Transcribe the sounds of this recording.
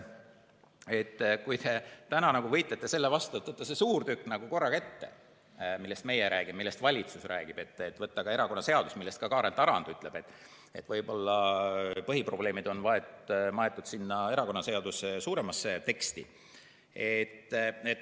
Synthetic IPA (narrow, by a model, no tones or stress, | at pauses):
e̞t̪ːkujt̪e̞t̪ænɑnɑɡ̥uvɤ̞jt̪let̪ːˑe̞se̞lːevɑst̪uet̪vɤt̪ːɑsesuːɾt̪ykːˑnɑɡ̥uko̞rːɑket̪ːe̞̰ | milːe̞st̪me̞jeɾæːɡ̥immilːe̞st̪vɑlʲit̪susræːɡ̥ib̥e̞t̪ːˑet̪vɤt̪ːɑkɑe̞ɾɑko̞nːɑse̞ɑd̪usmilːe̞st̪̚kɑkɑːɾent̪ːˑɑɾɑnd̪̥yt̪ːˑle̞b̥e̞t̪ːˑ | e̞t̪vɤjbo̞lːɑpɤɦipro̞b̥le̞ːmid̪̥o̞nvɑe̞t̪mɑe̞t̪ˑːud̪̥sinːɑe̞ɾɑko̞nːɑse̞ɑd̪̥usesuːɾe̞mɑsːet̪e̞kst̪ḭ | et̪ːet̪ː